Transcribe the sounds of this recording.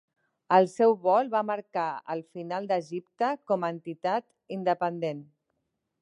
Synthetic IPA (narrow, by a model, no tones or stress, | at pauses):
əlˠsɛwβɔlˠβaməɾkaə̰lˠfinalˠd̪əʒip̚t̪əkɔməːnt̪it̪at̪ | ind̪əpənd̪en